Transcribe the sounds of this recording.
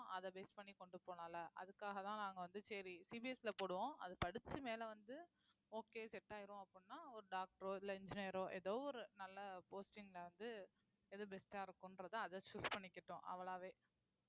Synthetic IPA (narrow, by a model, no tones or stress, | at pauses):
ʔɐðɐbeːspɐɳːikɔɳɖɯpoːnaːlɐʔɐ̰ðɯkːaːɣɐt̪ãːnaːŋɡɐʋɐnd̪ɯsɛɾisiːbiɛsɪlɐpoːɽɯʋõːɐ̰ðɯpɐɽɯt͡ʃːɯmeːlɐʋɐnd̪ɯ | oːkeːsɛʈːaːjɪɾʊ̃ɐpːɽnːaːɔɾɯɖaːk̚ʈɐɾoːɪlːɐɪɲd͡ʒɪneɾoːʔɛðoːɔɾɯnɐlːɐpoːsʈɪŋɡlɐʋɐnd̪ɯ | ɛðɯbɛsʈaːɪɾɯkːʊ̃nɾɐðãːɐðɐt͡ʃuːspɐɳːɪkːɪʈːʊ̃ʔɐ̰ʋɐɭaːʋeː